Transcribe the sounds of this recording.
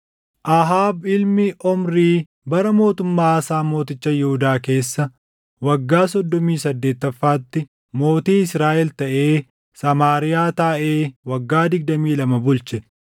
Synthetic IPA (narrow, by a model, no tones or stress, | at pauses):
ʔaɦaːbɪlmɪʔɔmɾiː | bɐɾɐmo̞ːt̪ʊmːaːɐsaːmo̞ːt̪ɪt͡ʃːɐjɛhʊd̪aːke̞ːsːɐ | wɐɡːaːsɔd̪ːɔmiːsɐd̪ːe̞ːt̪ːɐfːaːt̪ːɪ | mo̞ːt̪iːɪsɾaːʔɛlt̪ɐʔe̞ː | sɐmaːɾɪjaːt̪aːʔe̞ːwɐɡːaːd̪ɪɡ̚d̪ɐmiːlɐmɐbʊlt͡ʃɛ